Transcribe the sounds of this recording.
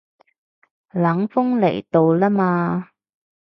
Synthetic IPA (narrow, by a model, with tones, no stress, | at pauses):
laː˨˥ŋfʊ˥ŋlḛ˨˩jt̪o˧wlaː˥maː˧